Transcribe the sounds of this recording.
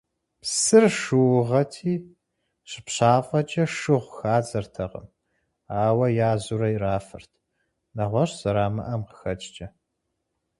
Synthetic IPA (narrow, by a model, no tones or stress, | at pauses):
psɨrʃʂɨwʊʁɐtʰiː | ɕɪ̥pɕaːfʼɐt͡ʃʼɐʂɨʁʷxaːd͡zɐrtʰɐqə̰m | aːwɐjaːzuɾɐjraːfɨ̰rtʰ | nɐʁʷɔɕz̥ɐɾaːmɐ̰ʔɐmqə̥xɐt͡ʃʼt͡ʃʼɐ